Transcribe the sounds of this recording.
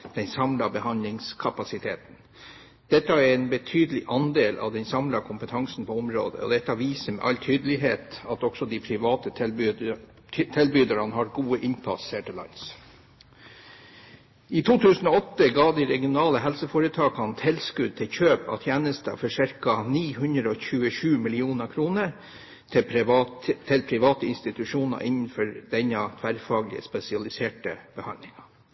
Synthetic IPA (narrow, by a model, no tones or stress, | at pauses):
d̪̥ɛnsɑmlɑbəhɑnlɪŋskʰɑpɑsɪt̪ʰeːt̪n̩ | d̪̥ɛt̪ːəæɾɛnbət̪ʰyːd̪əlɪʔɑnd̪eːlʔɑ̰ʋd̪ɛnsɑmlɑkʰʊmpət̪ʰɑŋsn̩pʰɔɔmɾo̰ːd̪ə̰ɔ̰d̪ɛt̪ːɑʋiːsəmɛ̰ʔɑlt̪ʰyːd̪əlɪɦeːt̪ɑt̪ɔksɔd̪ipʰɾɪʋɑːt̪əb | t̪ʰɛlbyːd̪əɾɑnɦɑɾɡuːəʔɪnpʰɑ̰seːʈɪlɑ̰ɪns | iːt̪ʰuːt̪ʰʉːsn̩oːɔt̪ːəɡɑːd̪iːɾɛɡɪʊnɑːləɦɛlsəfoːɾət̪ʰɑːkɑnt̪ʰɛlskʉd̪̚t̪ʰɪlçøːpɑ̰ːt̪ʰjæːnəst̪ə̰fɔʂæɾkɑniːhʉnd̪ɾəoːçʉːəʃʉːmɪlɪuːnəkʰɾuːnəɾ | t̪ʰɪ | t̪ʰɪlpʰɾɪʋɑːt̪əɪnst̪ɪt̪ʉʂuːnɑ̰ʔɪnːən̩fɔɾd̪ɛɲːɑt̪ʰʋæɾfɑːɡlɪ̰ə̰spɛsɪɑlɪseːʈə̰b̥əhɑnd̪lɪŋɑ